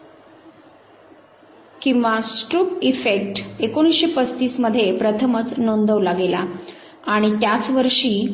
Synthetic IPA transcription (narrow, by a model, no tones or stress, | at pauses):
kĩw̃ʋasʈɾuːpifek̚ʈekoɽ̃isɕepəst̪iːsməd̪ʱːjepɾət̪ʰəmət͡snond̪ʱəʋlaɡela | aɽ̃it̪jat͡sʋəɾʂiː